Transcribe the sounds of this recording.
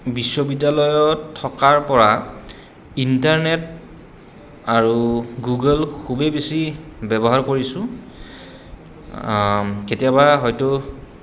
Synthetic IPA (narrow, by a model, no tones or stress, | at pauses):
bisːobidːalɔjɔtʰːɔkaɹpɔɹa | intaɹnɛt̚ | aɹuɡuɡəlkʰubebesibɛbɔɦaɹkoɹisʊ̃ | ketijabaɦɔjtʊ